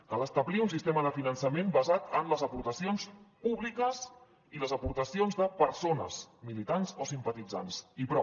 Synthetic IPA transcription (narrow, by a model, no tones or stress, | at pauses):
kələst̪əβliunsist̪eməðəfinənsəmembəzat̪ənləzəpuɾt̪əsionspuβlikəz | iləzəpuɾt̪əsionzðəpəɾsonə̰smilit̪anzosimpət̪id͡za̰nsipɾɔ